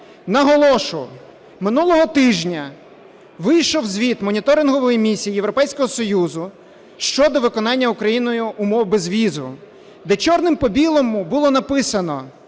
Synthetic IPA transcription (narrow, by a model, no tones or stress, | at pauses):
nɐɦɔlˠɔʃʊ | mɪnulˠɔɦɔt̪ɪʒnʲɐ | ʋɪjʃɔwzʲʋʲit̪mɔnʲit̪ɔɾɪnɦɔʋɔjimʲisʲijijewɾɔpɛjsʲkɔɦɔsɔjuzʊ | ʃt͡ʃɔd̪ɔʋɪkɔnɑnʲːɐukɾɐjinɔjʊʊmɔwbezʋʲizʊ̰ | d̪ɛt͡ʃɔrnɪmpɔbʲilˠɔmubʊlˠɔnɐpɪsɐnɔ̰